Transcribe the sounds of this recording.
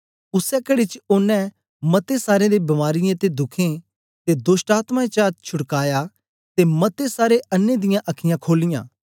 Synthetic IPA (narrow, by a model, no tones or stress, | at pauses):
ʊsɛkɐɽet͡ʃʊnːɛ̃ | mɐt̪esaːɾẽd̪ebɐmaːɾɪjẽt̪ed̪ʊkʰẽ | t̪ed̪ʊsʈaːt̪mãet͡ʃaːt͡ʃʰʊɽkaːja | t̪emɐt̪esaːɾeɐnːed̪ɪjãʔɐkʰɪjãkʰoːlɪjã̰ː